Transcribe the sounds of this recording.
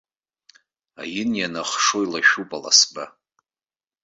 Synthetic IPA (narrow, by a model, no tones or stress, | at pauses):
a̰jɪnjanaχʂo̞jlaʃupʼala̰sba